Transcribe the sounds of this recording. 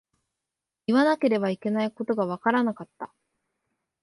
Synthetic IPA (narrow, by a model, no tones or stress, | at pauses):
iβanake̞ɾe̞baike̞naiko̞t̪o̞ɡaβ̞akaɾanakat̪ːa̰